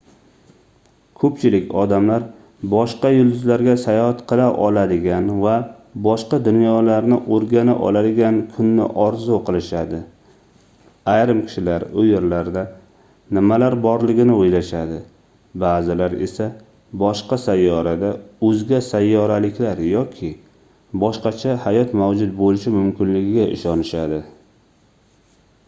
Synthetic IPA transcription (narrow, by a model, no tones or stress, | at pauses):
kʰɵpt͡ʃʰɪlɪkʲɒd̪amlaɾ | bɒʃqɑjʊlˠd̪ʊzlaɾɡʲasajɒhat̪qʰɨlˠaʔɒlˠad̪ɪɡʲanva | bɒʃqɑd̪ʊnjɒlaɾnɪʔoɾɡʲana̰ʔɒ̰lad̪ɪɡʲankʰʊnːɪ̰ʔɒɾzʊqʰɨlˠɪʃad̪ɪ | ajɾɪmkʲʰɪ̥ʃɪlaɾʊjeɾlaɾd̪a | nɪmalaɾbɒɾlɪɡʲɪnɪojlaʃad̪ɪ | baːzɪlaɾe̞̰sa | bɒʃqɑsajːɒɾad̪aɵzɡʲasajːɒɾalɪkʲlaɾjɒkʲʰɪ | bɒʃqɑt͡ʃʰahajɒt̪mawd͡ʒʊt̪̚bolɪʃɪmʊmkʲɪnlɪɡʲɪɡʲaʔɪ̰ʃɒnɪʃad̪ɪ